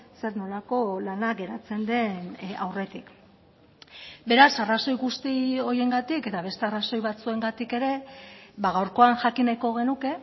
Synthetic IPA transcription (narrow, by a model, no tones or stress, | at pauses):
se̞ɾno̞lako̞lanaɡe̞ɾat͡se̞nd̪e̞na̰wre̞t̪ik | be̞ɾasaraso̞jɣust̪io̞je̞ŋɡat̪ike̞t̪aβ̞e̞st̪e̞araso̞jβat͡sue̞ŋɡat̪ike̞ɾe̞βaɣ̞awɾko̞aŋʝakinajko̞ɣ̞e̞nuke̞